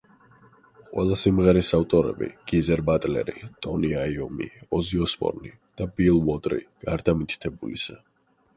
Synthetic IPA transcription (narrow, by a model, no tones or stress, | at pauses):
qʼwɛlˠasimʁɛɾisaft̪ʼɔɾɛ̰bḭɡ̥izɛɾbat̪ʼlɛ̰ɾit̪ʼɔniaiɔmḭɔziɔspʼɔ̰ɾni | d̪̥abilˠwɔd̪ʼɾḭɡ̥aɾd̪amit̪ʰʼt̪ʰɛbulisa